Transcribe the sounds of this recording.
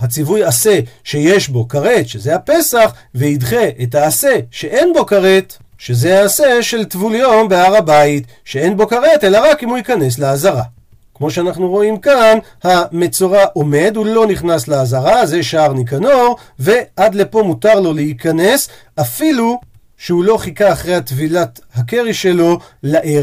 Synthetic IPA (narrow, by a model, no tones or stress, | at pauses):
hat͡sivujase̞ʃe̞jeʃbo̞kaʁe̞t̪ʃezehapesaχveidχe̞ʔetaːse̞ʃe̞ʔe̞nbo̞kaʁet̪ | ʃe̞zeaːse̞ʃe̞lt̪vuljo̞mbeaʁabait | ʃee̞nbo̞kaʁe̞te̞laʁakimuikane̞s̬leazaʁa̰ | kmo̞ʃeanaχnuʁo̞imkan | hame̞t͡soʁaʔome̞d̪ulo̞niχnasleazaʁaze̞ʃaaʁnikano̞ʁ | ve̞ʔad̪le̞po̞mutaʁlo̞lehikane̞s | afilu | ʃeulo̞χikaːχʁe̞jat̪vilat̪ | hakeʁiʃe̞lo̞laʔe